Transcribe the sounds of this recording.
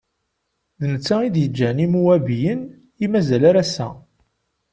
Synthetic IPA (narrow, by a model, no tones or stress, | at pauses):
ðnət͡sːæid̪jəd͡ʒːænimuæbijən | imæzælaɾæsæ̰